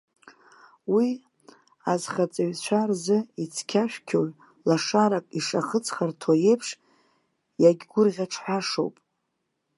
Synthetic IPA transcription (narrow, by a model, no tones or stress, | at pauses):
wi | azχat͡sʼaɥt͡ɕʷʰarzɨit͡sʰkʲʰaʃᶣkʲʰoʕ | laʂaɾakʼiʂaχət͡sʰχartʰoje̞jpʰʂ | jaɡʲɡʷʊrʁʲaʈ͡ʂʰħʷᶣaʂo̰wpʼ